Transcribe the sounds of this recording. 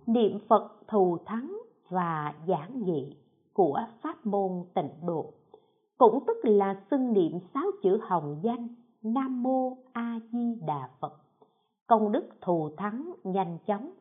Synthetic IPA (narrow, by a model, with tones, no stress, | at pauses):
nḭ˧˨əmfə˨˩t̚t̪ʰu˨˩t̪ʰa˨˦ŋ | vaː˨˩zaː˧˦ŋɣḭ˧˨ | ku˧˩əfaː˦˥t̚mo˧nt̪ï˧˩ŋ̟ɗo̰˧˨ | kʊ̰˧˥ŋ͡mt̪ɨ˦˥k̚laː˨˩si˧ŋnḭ˧˨əmsaː˨˦wt͡ɕɨ̰˧˩hə˨˩wŋ͡mza˧jŋ̟ | naː˧mːo˧ʔaː˧zi˧ɗaː˨˩fə˨˩t̚ | kə˧wŋ͡mɗɨ˦˥k̚t̪ʰu˨˩t̪ʰa˨˦ŋɲa˧jŋ̟t͡ɕɔ˨˦wŋ͡m